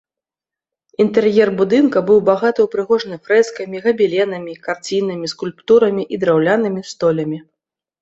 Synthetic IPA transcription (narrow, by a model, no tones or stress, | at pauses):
int̪ɛrjɛrbud̪ɨnkɐbɨwbaɣat̪ɐwpɾɨɣɔʐnɨfɾɛskɐmʲiɣɐbʲilʲɛnɐmʲikart͡sʲinɨmʲiskulʲpt̪uɾɐmʲiʔid̪ɾawlʲanɨmʲist̪ɔlʲɐmʲi